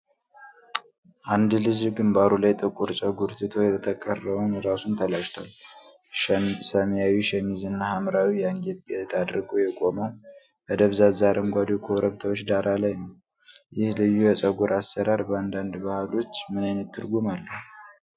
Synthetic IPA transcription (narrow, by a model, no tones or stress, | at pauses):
ʔand̪lɨd͡ʒɡɨmbaɾulajt̪ʼɨkʼuɾt͡ʃʼəɡuɾt̪ʰɨt̪ʰo̞jɛt̪ʰət̪ʰəkʼːərːəβunɾasunt̪ʰəlaʃt̪ʰa̰l | səmjawiʃɛmizɨnːahamɾawijaŋɡet̪ɡɛt̪ʰad̪ɾɨɡujɛkʼo̞məw | bəd̪əβzazaɾəmɡʷad̪okʰoɾəβt̪ʰawot͡ʃːd̪aɾʔalajnəw | jɪhlɨjːujɛt͡ʃʼəɡuɾʔasːəɾaɾbəand̪and̪bahlo̞t͡ʃːmɨnajnət̪ʰːɨɾɡumalːəhu